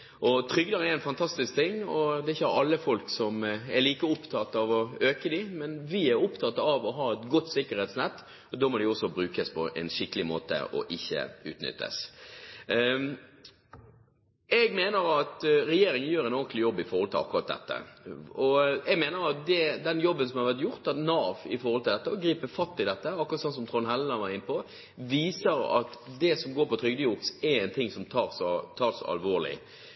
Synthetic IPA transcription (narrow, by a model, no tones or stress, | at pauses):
ʔɔt̪ʰɾʏɡd̪əɾɛɾɛɪnfɑnt̪ʰɑst̪ɪsk̚t̪ʰɪŋːɔd̪ɛɪçːəhɾɑlːəfɔlksɔmɛɾliːkəʊpt̪ʰɑt̪ːɑʋɔøːkəd̪ɪmɛnʋɪæɾʊpt̪ʰɑt̪ːɑʋɔɦɑːɛt̪ɡʊt̪ːsɪkəɾhɛːt̪snɛt̪ː | ɔd̪oːmɔd̪ɛɔsːɔbɾʉːkəspʰɔʔɛ̰nʂɪkːəlɪmo̰ːt̪ə̰ʔɔ̰ʔɪçːə̰ʉ̰ːt̪nʏ̰t̪ːə̰s | ɛɡmeːnəɾɑt̪ɾɛjeːɾɪŋənjøːɾɛnoːʁɡək̪lɪjɔbːɪfɔɾhɔlt̪ʰɪlɑ̰kːʊɾʁɑt̪d̪ɛ̰t̪ːə̰ɔɛɡmeːnəɾɑt̪̚d̪ɛd̪ɛnjɔbːənsɔmhɑɾʋæʁt̪jʊɾt̪ːɑt̪nɑːʋɪ̰fɔɾhɔlt̪ʰɪld̪ɛt̪ːəɔɡɾiːpəfɑt̪ːɪd̪ɛt̪ːəɑkːʊɾɑt̪sɔnsɔmt̪ʰʁɔnhɛlːən̩ɑʋɑɾɪnpɔ | ʋiːsəɾɑ̰t̪d̪ɛsɔmɡoːɾpʰɔt̪ʰɾʏɡd̪əjʊpsɛɛɪnt̪ʰɪŋsɔmt̪ʰɑːʁsɔt̪ʰɑːɾsɔɑ̰lʋoːʁlɪ̰